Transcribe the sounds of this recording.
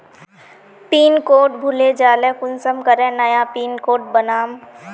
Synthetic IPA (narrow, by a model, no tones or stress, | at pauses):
piːnkoːʈ̚bʱʊled͡ʒaːlẽːkʊnsəmkəɾẽnəjapiːnkoːʈ̚bənaːm